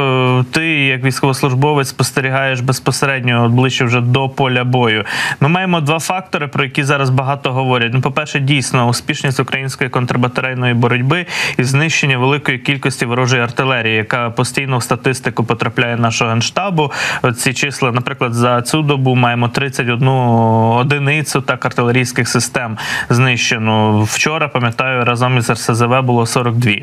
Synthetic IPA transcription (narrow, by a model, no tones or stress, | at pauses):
t̪ɪjɐkʋʲijsʲkɔʋɔslˠʊʒbɔʋet͡sʲspɔst̪eɾʲiɦɑjeʃbespɔseɾɛdʲnʲɔd̪̚blˠɪʃːɛwʒɛd̪ɔpɔlʲɐbɔjʊmɪmɑjemɔd̪ʋɑfɑk̚t̪ɔɾɪpɾɔjɐkʲizɑɾɐzbɐɦɑt̪ɔɦɔʋɔɾʲɐtʲnʊpɔpɛrʃɛdʲijsʲnɔʊsʲpʲiʃnʲisʲtʲʊkɾɐjinʲsʲkɔjikɔnt̪ɾɐbɐt̪ɐɾɛjnɔjibɔɾɔdʲbɪiznɪʃt͡ʃenʲːɐʋelˠɪkɔjikʲilʲkɔsʲtʲiʋɔɾɔʒɔjiɐrt̪ɪlˠɛɾʲijijɐkɑpɔsʲtʲijnɔwst̪ɐt̪ɪst̪ɪkʊpɔt̪ɾɐplʲajɛnɑʃʊɔɦɐnʃt̪ɑbʊt͡sʲit͡ʃɪslˠɐnɐpɾɪklˠɐd̪zɐt͡sʲud̪ɔbumɑjemɔt̪ɾɪt͡sʲːɐtʲɔd̪nuɔd̪ɪnɪt͡sʲʊt̪ɑkɐrt̪ɪlˠeɾʲijsʲkɪxsɪst̪ɛmznɪʃt͡ʃenɔwt͡ʃɔɾɐpɐmʲjɐt̪ɑjʊɾɑzɐmizɐrsezeʋɛbʊlˠɔsɔɾɔɡ̚d̪ʋʲi